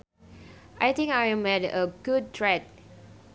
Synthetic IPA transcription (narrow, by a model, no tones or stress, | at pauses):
ʔajt̪ĩŋkajɛmɛdəɡud̚tʰɹɛt̚